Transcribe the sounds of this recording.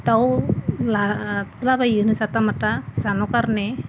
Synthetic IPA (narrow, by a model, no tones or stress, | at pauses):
t̪awlat̪labajɯnɯsat̪amat̪asanokaɾne